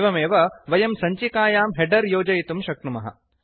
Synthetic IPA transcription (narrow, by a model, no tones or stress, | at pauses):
ʋɐmeːʋɐʋɐjɐmsɐɲt͡ʃikaːjaːmɦeɖɐɾjoːd͡ʒɐjit̪umʃɐk̚ɳumɐɦɐ̰